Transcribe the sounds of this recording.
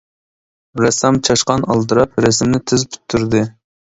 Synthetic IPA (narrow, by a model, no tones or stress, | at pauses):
ɾɛsɑmt͡ʃʰɑʃqɑnɑlˠt̪ɨɾɑp̚ɾɛsɪmnɪt̪ʰɪzpʰy̥t̪ʰːyɾd̪ɨ